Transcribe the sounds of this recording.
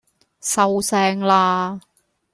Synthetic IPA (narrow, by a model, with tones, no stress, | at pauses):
sɐ˨˧wsɛː˧ŋlaː˧